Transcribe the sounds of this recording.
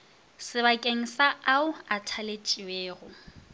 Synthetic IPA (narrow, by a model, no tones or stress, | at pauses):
sɪβakʼeŋ̩saaʊatʰalet͡ʃʼiweːɣʊ